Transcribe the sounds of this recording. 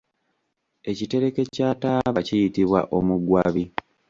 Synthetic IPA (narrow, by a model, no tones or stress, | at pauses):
e̞cite̞ɾe̞ke̞caːtaːβacijitiβwa̰ʔo̞muɡwaβi